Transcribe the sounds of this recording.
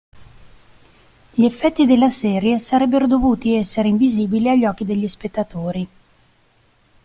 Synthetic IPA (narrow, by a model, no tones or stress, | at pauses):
ʎiefːɛt̪ːid̪elːasɛːɾjesaɾɛbːeɾod̪ovuːt̪iɛsːeɾeiɱviziːbiliaʎːɔːk̟ːid̪eʎːispet̪ːat̪oːɾi